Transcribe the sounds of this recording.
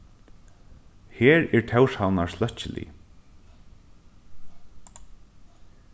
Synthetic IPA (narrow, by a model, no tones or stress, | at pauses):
hɛːɹɛɹt̪ʰɛwshanaɹslœht͡ɕɪlḭ